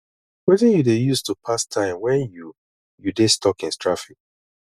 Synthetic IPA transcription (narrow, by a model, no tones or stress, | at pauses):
wɛtɪ̃njudejustupʰastʰãɪ̃mwɛ̃nju | judestʰɔkɪ̃nstɹafik̚